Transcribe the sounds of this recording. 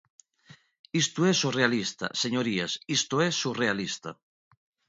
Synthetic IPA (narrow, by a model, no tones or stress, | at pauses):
ist̪uɛsurealist̪a̰seɲoɾiasist̪oɛsurealist̪a̰